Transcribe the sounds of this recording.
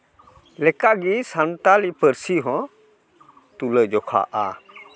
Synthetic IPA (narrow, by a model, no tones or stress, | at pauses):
lɛkaʔɡisantalipəɾsiɦɔ̃ | t̪uləd͡ʒɔkʰa̰ːʔa̰